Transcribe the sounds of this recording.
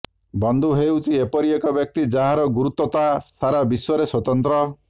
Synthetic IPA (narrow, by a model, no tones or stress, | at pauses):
bɔnd̪ʱuɦewt͡ʃʰiepɔɾiekɔbjɔk̚t̪id͡ʒaɦaɾɔɡuɾut̪ɔt̪asaɾabiswɔɾeswɔt̪ɔnt̪ɾɔ